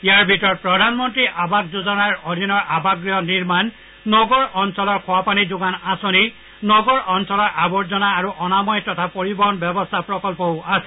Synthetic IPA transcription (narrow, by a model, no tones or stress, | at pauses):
ijaɹbʱitɔɹɔpɹɔdʱanmɔntɹiʔabak̚zuzɔnaɹod̪ʱinɔɹʔabaɡɹiɔniɹmanː | ɔɡɔɹɔnsɔlɔɹkʰʊapanizʊɡanasoni | nɔɡɔɹɔnsɔlɔɹʔabɔɹzɔnaːɹuʔɔnamɔjtɔtʰapoɹibɔɦɔnbɛbɔstʰapɹɔkɔlpɔasɛ̥